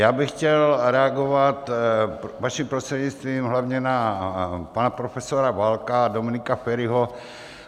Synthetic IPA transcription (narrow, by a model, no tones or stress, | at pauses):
jaːbɪxcɛlɾɛaɡovat̪ | vaʃimpɾost̪r̥ɛɟɲitt͡st̪viːmɦlavɲɛna | panapɾofɛsoɾavalkadomɪnɪkafɛɾɪɦo